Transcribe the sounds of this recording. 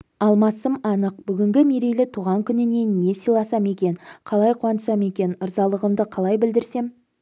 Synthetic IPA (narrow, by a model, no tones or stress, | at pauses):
ɑlˠmɑsəmɑnəq̚b̥ʏɡʲɪŋɡʲɪmeɾejlɪt̪ʰuʁɑŋkʲʰʏnɪne̞e̞sijlˠɑsɑme̞kʲe̞nqʰɑlˠɑjqʰuɑnə̥sɑme̞kʲe̞nəɾzɑlˠəʁəmd̪əqʰɑlˠɑjbɪld̪ɪɾse̞m